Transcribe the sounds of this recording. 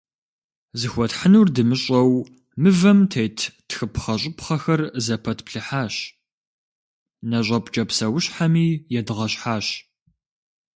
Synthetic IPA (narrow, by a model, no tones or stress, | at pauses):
zɨxʷɔtħənuːrdɨmɨɕʼɐw | mɨvɐmtʰejtʰtxɨpχɐɕʼʊpχɐxɐrzɐpʰɐtpɬɨħaːɕ | nɐɕ̬ʼɐpʼt͡ʃʼɐpsɐwʊɕħamiːjɛdɨʁɐɕħaːɕ